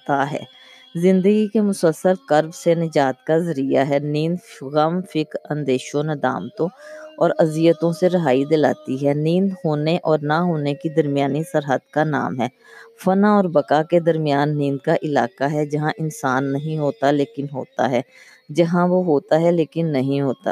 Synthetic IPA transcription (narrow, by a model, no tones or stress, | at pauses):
t̪aɦɛ̰ː | zɪ̃nd̪əɡikemʊsəlsːəɾkəɾbsenɪd͡ʒaːt̪kazəɾijaɦɛːnĩːnd̪ɣəmfɪkɾə̃nd̪eːʃõnɪd̪a̰ːmt̪õɔːɾɐzijət̪õseɾɐɦaːid̪ɪla̰ːt̪iɦɛːnĩːnd̪ɦoːneʔɔːɾnaɦoːnekid̪ɐɾmɪjaːnisəɾɦəd̪kana̰ːmɦɛː | fənãɔːɾbəkaːked̪əɾmɪjaːnːĩːnd̪kaʔɪlaːkaɦɛd͡ʒɐɦãʔɪnsaːnːɐɦĩɦoːt̪aleːkɪnɦo̰ːt̪a̰ɦɛː | d͡ʒɐɦãʋoɦoːt̪aɦɛleːkɪnːɐɦĩɦoːt̪a̰